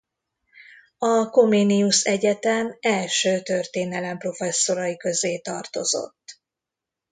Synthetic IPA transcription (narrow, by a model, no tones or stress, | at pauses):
ɒkomeːnijuʃɛɟɛt̪ɛmɛlʃøːt̪ørt̪eːnɛlɛmpro̞fɛsːo̞ɾɒjikø̞zeːt̪ɒrt̪o̞̰zo̞̰t̪ː